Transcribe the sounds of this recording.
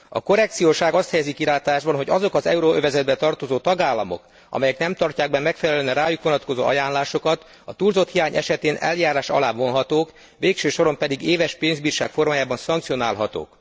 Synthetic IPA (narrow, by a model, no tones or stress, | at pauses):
ɒ̰ko̞ɾɛk̚t̪sijoːʃaːɡɒst̪hɛjɛzikiɾaːt̪aːʒbɒnɦo̞ɟɒzo̞kɒzɛ̰uɾoøvɛzɛd̪bɛt̪ɒrt̪o̞zoːt̪ɒɡaːlːɒmo̰k | ɒ̰mɛjɛknɛmt̪ɒrcaːɡ̚bɛmːɛkfɛlɛlønɒɾaːjukʋonɒt̪ko̞zo̰ːʔɒ̰jaːnlaːʃo̞kɒt̪ | ɒt̪uːlzo̞t̪hijaːɲɛ̰ʃɛt̪eːnʔɛ̰ljaːɾaːʃɒ̰laːvo̞nɦɒt̪oːk | ʋeːkʃøːʃo̞ɾo̞mpɛd̪iɡeːvɛʃpeːnzbiːrʃa̰ːkfo̞rmaːjaːbɒnsɒŋkt̪sijo̞naːlɦɒt̪o̰ːk